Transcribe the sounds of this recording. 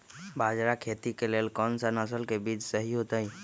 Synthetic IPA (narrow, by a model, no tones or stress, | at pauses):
baːd͡ʒɾakʰet̪ikelelkɔnsənəsəlkebiːd͡ʒsəɦiɦot̪əi